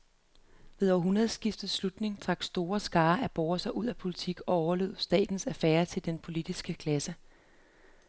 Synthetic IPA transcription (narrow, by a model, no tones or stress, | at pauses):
ʋeðˠɒ̰ɐɦunʁɐðˠsɡ̥ifd̥ð̩ˠslud̥ne̝ŋt͡sʰʁɑ̈ɡ̥sd̥o̝ːɐsɡ̥ɑ̈ːʔæb̥ɒʊɐsɐʔuð̞̰ˠæpʰo̝lit͡sʰiɡ̥ɒ̽ɒʊɐlø̝ːð̩ˠsd̥ɛ̰ːd̥n̩sæfæːɐt͡sʰe̝ld̥enpʰo̝lid̥isɡ̥əkʰlæsə